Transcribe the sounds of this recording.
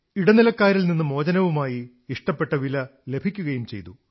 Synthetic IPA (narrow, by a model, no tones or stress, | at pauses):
iɽɐnilɐkːaːɾilninːɨmo̞ːd͡ʑɐnɐʋumaːjiː | ʂʈɐpːe̞ʈːɐʋilɐle̞bʱikʲːuɣɐjumt͡ɕe̞̰jt̪u